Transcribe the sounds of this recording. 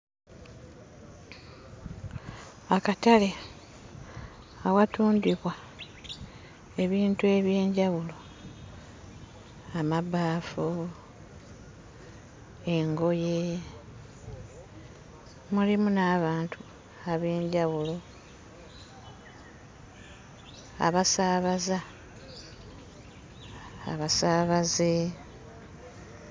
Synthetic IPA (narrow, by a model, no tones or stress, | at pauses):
akatale̞ | awatuːndwiβwa | e̞βiːntue̞βje̞ːɲɟaβulo̞ | amabaːfu | eŋɡo̞je̞ | mulimunaːβaːntʰu | aβe̞ːɲɟawulo̞ | a̰βasaːβaza | a̰βasaːβaze